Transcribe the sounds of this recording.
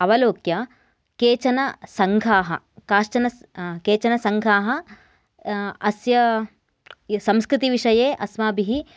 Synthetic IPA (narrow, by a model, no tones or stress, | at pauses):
ɐʋɐloːkjɐ | keːt͡ʃɐnɐsɐŋɡʱaːɦɐ̰ | kaːʂt͡ʃɐnɐ | keːt͡ʃɐnɐsɐŋɡʱaːɦɐ | ɐsjɐ | sɐmskɾɪt̪iʋiʂɐjeːʔɐsʋaːbiɦi